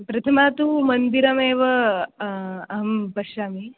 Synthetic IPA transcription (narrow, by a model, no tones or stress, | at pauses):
pɾɐt̪ʰɐmaːt̪umɐnd̪iɾɐmeːʋɐ | ɐɦɐmpɐʃaːmi